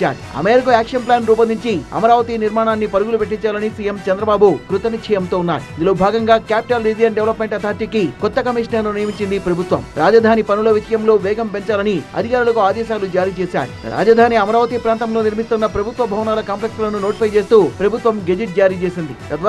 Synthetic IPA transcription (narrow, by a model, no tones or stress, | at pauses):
a̰ːɾuɐ̰meːɾikoaːkʂɐnplaːnɾuːp̬ɐnd̪iɲt͡ʃiɐ̰mɐɾaːʋɐt̪iniɾmaːnaːnːipɐɾuɡulupe̞ʈːiɲt͡ʃaːlɐnisijemt͡ʃɐnd̪ɾɐbaːbukɾut̪ɐnikʂʰɐjɐmt̪oːunːa̰ːɾuind̪uloːbʱaːɡɐŋɡaːkaːpi̥ʈɐlɾiːd͡ʒijɐnɖeʋlɐpme̞ɳʈɐt̪ʰaːɾt̪ikikɔt̪ːɐkɐmiʂnɐɾnunijɐmiɲt͡ʃːind̪ipɾɐbʱut̪ʋɐ̰mɾaːd͡ʒɐd̪ʱaːnipɐnulɐʋiʃɐjɐmlo̞ːʋɛːɡɐmpe̞ɲt͡ʃaːlɐniɐ̰d̪ʱikaːɾulɐkuaːd̪ɛːʃaːlud͡ʒaːɾiːt͡ʃeːsa̰ːɾṵɾa̰ːd͡ʒɐd̪ʱaːniɐmɐɾaːʋɐt̪ipɾaːnt̪ɐmlo̞ːniɾmist̪unːɐpɾɐbʱut̪ʋɐbʱɐʋɐnaːlɐkaːmplek̚slɐnunoːʈipɐjt͡ʃe̞ːst̪uːpɾɐbʱut̪ʋɐmɡed͡ʒiʈ̚d͡ʒaːɾiːt͡ʃe̞ːsind̪it̪ɐt̪